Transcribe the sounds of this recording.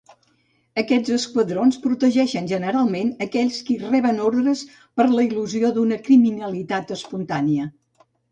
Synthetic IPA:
əkɛd͡zəskwəðɾonspɾut̪əʒɛʃənʒənəɾalˠmenəkɛʎʲskirɛβənoɾðɾəs | pəɾləiluzioðunəkɾiminəlit̪at̪əspunt̪aniə

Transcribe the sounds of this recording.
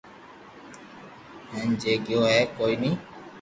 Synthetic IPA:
ɦə̃nd͡ʒeːɠɪjoːɦɛːkoːiːnĩː

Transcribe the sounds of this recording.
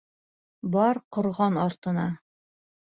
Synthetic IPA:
bɑɾqŏɾʁɑnɑɾt̪ɤ̆nɑ

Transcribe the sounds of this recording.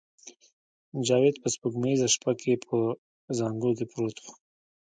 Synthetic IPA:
d͡ʒɑwed̪pəspəɡmaizaʃpakʰepʰə | zɑŋɡokepɾot̪x

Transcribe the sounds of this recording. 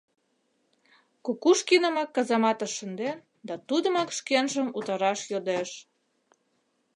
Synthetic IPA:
kokuʃkinəmɑkːɑzɑmɑt̪ə̆ʃənd̪en | d̪ɑt̪ud̪əmɑkʃkenʒəmut̪ɑɾɑʃjod̪eʃ

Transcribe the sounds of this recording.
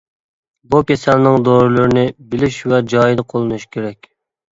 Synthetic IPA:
bukʲesɛnnɨŋd̪oɾɨlˠuɾɪnɪbɪlɪʃwɛd͡ʒɑːjid̪əqʰolˠɨnuʃkʲʰeɾɛkʲ

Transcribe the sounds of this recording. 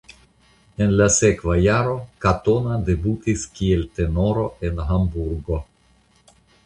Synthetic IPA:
e̞nlase̞kvajaɾo̞kato̞nade̞butiskielte̞no̞ɾo̞e̞nɦambuɾɡo̞

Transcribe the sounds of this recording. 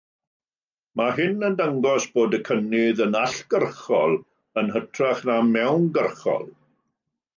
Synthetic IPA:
maɦɪnəndaŋɡɔsb̥oːdəkʰənɪðənaɬɡ̥ərχɔlˠ | ənɦətʰraχnamɛwnɡərχɔ̰lˠ

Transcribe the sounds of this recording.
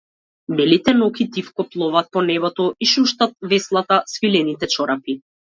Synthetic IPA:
bɛlit̪ɛnɔkit̪ifkɔplˠɔvat̪̚pɔnɛbɔt̪ɔiʃuʃt̪at̪̚vɛslˠat̪asfilɛnit̪ɛt͡ʃɔɾapi

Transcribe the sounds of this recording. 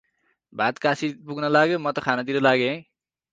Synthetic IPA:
bʱat̪kasipuɡnʌlaɡjomʌt̪ʌkʰanat̪iɾʌlaɡẽ

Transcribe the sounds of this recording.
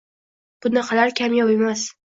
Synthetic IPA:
b̥ʊnɑqʰɑlaɾkʲʰamjɒwemas

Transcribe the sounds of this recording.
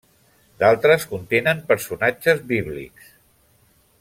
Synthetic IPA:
d̪̥alˠt̪ɾəskunt̪enəmpəɾsunad͡ʒəzβiβ̞lḭks

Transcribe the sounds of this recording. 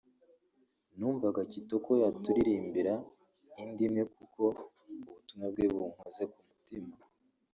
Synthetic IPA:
n̥uːɱvaɡacitokojatuɾiɾiːmbiɾa | indimŋe̞kʰukʰo̞ | uβutumŋab̚ɡeβuŋ̥oze̞kumutima

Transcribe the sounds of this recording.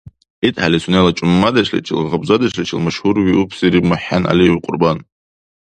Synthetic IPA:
itʼħalisunelat͡ʃʼʊmːadaʃʰʼlḭt͡ʃʰʼḭlʁabzadat͡ʃlit͡ʃʰʼilmaʃhurwiʔupʰsiɾibmaħːanʔa̰liwqʷʼʊ̰rban

